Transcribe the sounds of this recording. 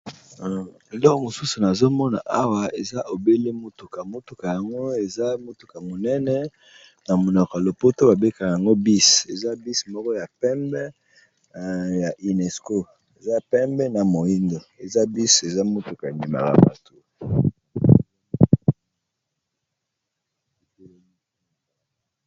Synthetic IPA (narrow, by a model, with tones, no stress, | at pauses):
e˨lɔ˦ko˦mo˨su˦su˨na˨zo˦mɔ˦na̰˨ʔa˦wa˨e˨za˦ʔo˨be˦le˦mo˦tu˨ka˨mo˦tu˨ka˨ja˨ŋɡo˦e˨za˦mo˦tu˨ka˨mo˨nɛ˦nɛ˦ | na˨mo˨na˨ka˨lo˨po˦to˦ba˨be˦ka˨a˨ja˨ŋɡo˦bi˦se˨za˦bi˦smɔ˦kɔ˦ja˨pɛ˦mbɛ˦ | ja˨ʔi˨nɛ˨sko˦ | e˨za˦pɛ˦mbɛ˦na˨mo˨i˦ndo˨e˨za˦bi˦se˨za˦mo˦tu˨ka˨e˨mbi˨ma̰˨ka̰˨ba̰˨tʰo˦˨